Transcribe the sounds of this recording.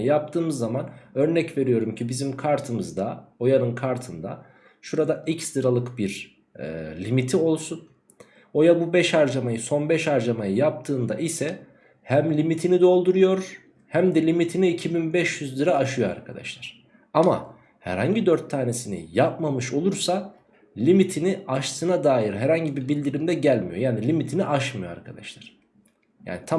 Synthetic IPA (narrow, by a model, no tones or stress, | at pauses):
ɯjap̚t̪ʰɯːmɯzːamanø̞ɾnɛcve̞ɾijo̞ɾumcʰibizimkʰaɾt̪ʰɯmɯzd̪ao̞janɯnkʰaɾt̪ʰɯnd̪a̰ | ʃuɾad̪aicsd̪ɯɾalˠɯkbiɾ̰ | lʲimit̪ʰio̞lˠsun | o̞jabubɛʃhaɾd͡ʒamajɯso̞nbɛʃaɾd͡ʒamajɯjap̚t̪ʰɯːnd̪aʔisɛ | hæmlʲimit̪ʰinid̪o̞lˠd̪uɾujo̞ɾ | hæmd̪ɛlʲimit̪ʰiniːcʰibinbɛʃjyzd̪ˠɯɾaːʃɯjo̞a̰ɾkʰad̪a̰ʃlˠaɾ̥ | ama̰ | hæ̰ɾha̰ɲɟid̪øɾt̪ʰːaːne̞sinḭjap̚mamɯʃo̞lˠuɾsa | lʲimit̪ʰiniaʃsɯnad̪aːjiɾɦæɾhaɲɟibibilʲd̪iɾimd̪ɛɟælʲmḭjo̞jaːnilʲimit̪ʰiniʔaʃmɯjoa̰ɾkʰad̪a̰ʃlˠaɾ̥ | ja̰ːnit̪ʰa